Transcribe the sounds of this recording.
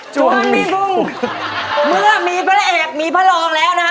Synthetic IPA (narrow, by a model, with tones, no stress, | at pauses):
t͡ɕu˨˩ə˨nmiː˧bu˧˥˩ŋ | mɯ˥˩ɐmiː˧pʰa˦˥ʔeː˨˩k̚miː˧pʰa˦˥lɔː˧ŋlɛː˦˥wna˦˥